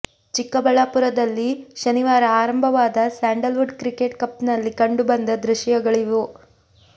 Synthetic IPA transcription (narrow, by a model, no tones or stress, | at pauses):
t͡ʃikːɐbɐɭapuɾɐd̪ɐlːiʃɐniʋaːɾɐaːɾɐmbʱɐʋaːd̪ɐsaːɳɖɐlʋuɖkɾikeʈ̚kɐpnɐlːikɐɳɖubɐnd̪ɐd̪ɾuʃjɐɡɐɭiʋu